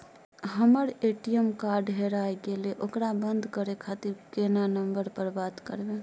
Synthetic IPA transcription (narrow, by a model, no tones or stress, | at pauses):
ɦəməɾeʈijəmkaɾɖɦeɾajɡeleʔokɾabənd̪ʱkəɾekʰat̪iɾkenanəmbəɾpəɾbat̪kə̰ɾbẽ